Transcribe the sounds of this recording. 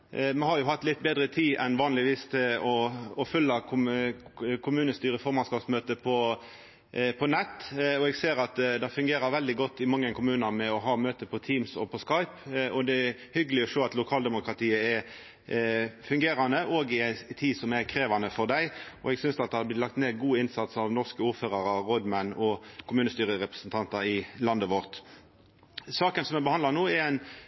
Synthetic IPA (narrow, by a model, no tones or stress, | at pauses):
mɛɦɑɾjʊɦɑt̪ːlɪt̪ːbeːd̪ʁət̪ʰiːʔɛnʋɑːnlɪʋiːst̪ʰɪlɔɔfʏlːɑkʰʊ | kʰʊmʉːnəst̪yːʁəfɔɾmɑnskɑːpsmøːt̪əpʰɔ | pʰɔnɛt̪ːɔɛɡseːɾɑt̪d̪ɛɪfʉŋɡeːɾəɾʋɛld̪ɪɡɔt̪ːɪmɑŋːəkʰʊmʉːnɑʁmɛɔɦɑːmøːt̪əpʰɔt̪ʰiːmsɔ̰pʰɔskɑɪpɔd̪ɛæhʏɡəlɪɔʃoːɑt̪lʊkʰɑːld̪ɛmʊkɾɑt̪iːəɛɾ | fʉŋɡeːɾɑnəʔoːɡɪæɪt̪ʰiːsɔmækʰɾeːʋɑnəfɔʁd̪æɪʔɔ̰ɛɡsʏnsd̪ɑt̪̚ɛhɑb̪ɪt̪lɑk̚t̪neːɡuːɪnsɑt̪sɑʋnɔʁskəuːɾføːʁɑɾɑʁɔd̪mænːɔkʰʊmʉːnəst̪yːɾəɾɛpʁə̥sənt̪ʰɑnt̪ɑɾɪlɑnd̪əʋɔʁt̪ | sɑːkənsɔmɛbəhɑnd̪lɑʁnuːɛɾæɪn